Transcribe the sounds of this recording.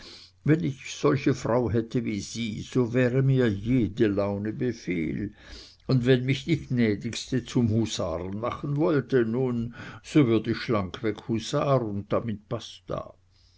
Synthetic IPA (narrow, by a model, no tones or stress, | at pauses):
vɛnɪçz̥ɔlçəfʁaʊɦɛtʰəviːz̥iːz̥oːvɛːʁəmiːɐjeːdəlaʊnəbəfḛːl | ʊndvɛnmɪçd̥iːɡnɛːdɪkstət͡sumhusa̰ːʁənmaχən̩vɔltənuːnz̥ovʏɐdəiçʃlaŋkʰv̥ɛkhusaːʁʊnt̚d̥amɪt̚pasd̥a̰ː